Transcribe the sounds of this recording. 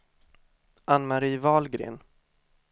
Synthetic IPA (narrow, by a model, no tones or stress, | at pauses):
ʔanmaɾiːvɑːlɡɾḛːn